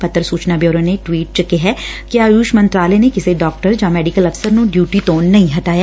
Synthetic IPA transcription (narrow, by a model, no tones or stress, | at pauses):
pɐt̪ːəɾsuːt͡ʃnabjoːɾoneʈwiːʈ̚t͡ʃɐkeɦɛkjaːjuːʃmɐ̃nt̪ɾaːlenekɪseɖɔːk̚ʈəɾd͡ʒamɛːɖɪkəlɐfsəɾnũɖjuːʈit̪oːnːɐɦĩɦɐt̪aːjaː